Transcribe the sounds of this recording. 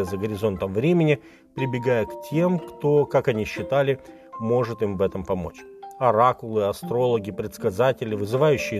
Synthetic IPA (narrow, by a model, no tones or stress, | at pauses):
əzəɡəɾʲɪzo̞nt̪əmvɾʲemʲɪnʲɪ | pɾʲɪbʲɪɡajəktʲe̞mkt̪o̞kakɐnʲiɕːɪt̪alʲɪ | mo̞ʐɨt̪ɨmvɛt̪əmpɐmo̞̰t͡ɕ | ɐɾakʊlˠɨɐst̪ɾo̞lˠəɡʲɪpɾʲɪt̪skɐzatʲɪlʲɪvɨzɨvajʉɕːɪj